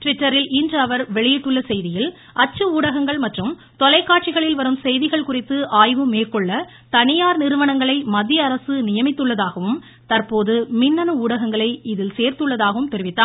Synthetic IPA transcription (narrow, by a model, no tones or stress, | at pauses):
ʈʋɪʈːɐɾɪlindrɐʋɐɾʋɛɭɪjɪʈːɯɭːɐsɛjðɪjɪl | ʔɐt͡ʃːɯuːɽɐɣɐŋɡɐɭmɐʈrɯm | t̪ɔlɐɪkːaːʈ̚t͡ʃɪɣɐɭɪlʋɐɾɯmsɛjðɪɣɐɭkʊrɪt̪ːɯʔaːjʋɯmeːɾkɔɭːɐ | t̪ɐnɪjaːɾnɪɾɯʋɐɳɐŋɡɐɭɐɪmɐd̪jɐːɾɐsɯnɪjɐmɪt̪ːɯɭːɐðaːɣɐʋɯm | t̪ɐrpoːðɯmɪnːɐnɯuːɽɐɣɐŋɡɐɭɐɪɪðɪlseːɾt̪ɯɭːɐðaːɣɐʋɯmt̪ɛɾɪʋɪt̪ːaː